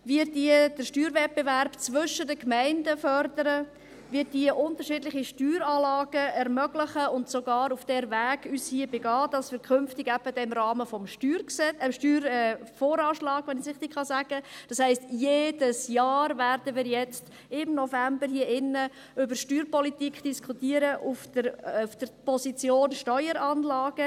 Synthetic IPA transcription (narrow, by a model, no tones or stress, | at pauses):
viːɾddiəd̥əʃtyːɾvɛt̚b̥evæɾb̥t͡sʋʏʃədəkmæɪndəfœrdəɾə | vɪːt̚diəʔʊntəɾʃɪdlɪχiʃtyːɾɑːlɑːɡ̥əɛɾmœɡ̥lɪχəʊntsoɡɑːɾufd̥ɛɾvæːɡ̥yːshiːəbeɡɑːd̥ɑsʋiːɾkʰʏnftɪɡæb̥əd̥ɛɪmɾɑːməfɔmʃtyːɾksɛɛmʃtyːɾɛfoːɾɑːʃlɑːɡ̥ʋɛnɪsɪχtɪkχɑsæɡ̥əd̥ɑshɛɪstjeːd̥əsjɑːɾvæɾdəʋiːɾjɛt͡st | ɪmnɔfæmbəɾhiəʔɪnːə | ʏbəɾʃtyːɾpɔlitikχd̥iskχutiːəɾəʔufdəɾufd̥əɾpɔzit͡sjoːnʃtœʏəɾɑnlɑːɡ̥ə